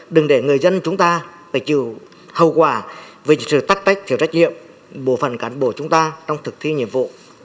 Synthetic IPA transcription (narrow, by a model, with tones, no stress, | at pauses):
ɗɨ˨˩ŋɗe˧˩ŋɨ˨˩əjzə˧nt͡ɕʊ˨˦ŋ͡mt̪aː˧faː˨˧˩t͡ɕḭ˧˩əw | hə˨˩wkwaː˧˩ve˨˩sɨ̰˧˨t̪aː˦˥k̚t̪a˦˥jk̚t̪ʰi˧˩˨wsa˦˥j̚ɲḭ˧˨əm | ɓo˧˩fə˧˩nkaː˧˩nɓo˧˩t͡ɕʊ˨˦ŋ͡mt̪aː˧t͡ɕwŋ͡mt̪ʰɨ˨˩k̚t̪ʰi˧ɲḭ˧˨əmvṵ˧˨